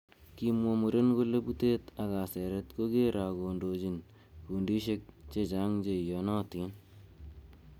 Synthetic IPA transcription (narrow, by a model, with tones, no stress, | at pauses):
kimwɔ˧mu˨ɾe˦nko˦le˦bu˦te˦t̪a˨ɣa˨sɛ˨ɾe˦t̪ko˦ɡe˦ɾʔa˨ɡo˨ndo˨d͡ʒi˨n | ku˨ndi˦ʃe˦k̚t͡ʃe˦t͡ʃa˦ŋd͡ʒe˨jɔ˨˦nɔː˦ti˦n